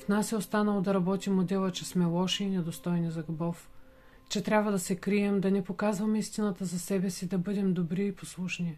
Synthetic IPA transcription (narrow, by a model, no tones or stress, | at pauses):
fnasɛost̪anɐlˠod̪ɐɾɐbɔt̪imod̪ɛlˠət͡ʃɛsmɛlˠɔʃiːnɛd̪ost̪ɔjnizɐɡubɔf | t͡ʃɛt̪ɾʲabvəd̪ɐsɛkɾiɛmd̪ɐnɛpokazvɐmist̪inət̪əzɐsɛbɛsid̪ɐbɤd̪ɛmd̪obɾiːposlˠuʃnʲi